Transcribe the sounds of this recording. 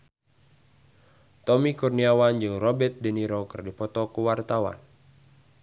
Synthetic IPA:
t̪ɔmikurniawand͡ʒɨŋrɔbɛt̪̚dɛniɾokɨrdipɔt̪ɔkuwart̪awa̰n

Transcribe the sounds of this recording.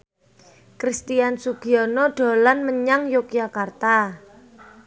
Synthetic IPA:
kɾist̪iansuɡ̥iɔnɔɖ̥o̤lanməɲaŋjok̚jakart̪a

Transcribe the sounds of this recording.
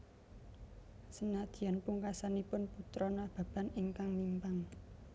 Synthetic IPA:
sənad̪̥i̤ja̤npuŋkasanipʊnput̪ɾɔnab̥a̤b̥a̤niŋkaŋmimpaŋ

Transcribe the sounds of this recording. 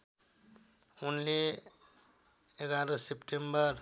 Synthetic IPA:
unle | eɡaɾʌsepʈembʌr

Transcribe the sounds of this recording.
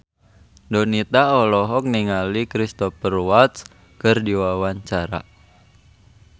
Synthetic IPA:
dɔnit̪aɔlɔɦɔk̚niŋalikɾist̪ɔpərwat̪s | kərdiwawaɲt͡ʃaɾa̰

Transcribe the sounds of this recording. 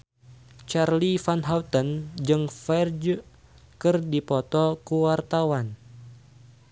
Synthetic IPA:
t͡ʃarlifanɦawt̪ənd͡ʒɨŋfɛrd͡ʒu | kɨrdipɔt̪ɔkuwart̪awan

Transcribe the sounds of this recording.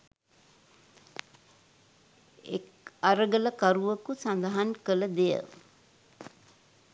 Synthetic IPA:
ḛk | aɾəɡələkaɾuʋəkusand̪aɦankələd̪ejə̰

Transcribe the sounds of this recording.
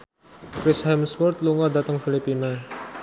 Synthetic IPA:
kɾɪshɛmswɔrt̪luŋadat̪əŋfilipina

